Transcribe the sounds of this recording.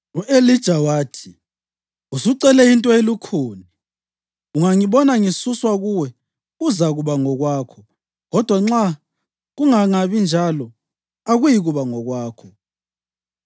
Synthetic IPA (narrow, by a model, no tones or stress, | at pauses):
uʔelid̥ʒ̥ʱawaːtʰi̥ | usuǀɛlɛintʼɔelukʰuːni | uŋaŋiβɔnaŋisuswaɣuwɛ | uzaɣuβaŋɔɣwaːkʰɔ | ɣɔd̥ʱwaŋ͡ǁa | ɣuŋaŋaβind͡ʒʱalɔ | aɣujiɣuβaŋɔɣwaːkʰɔ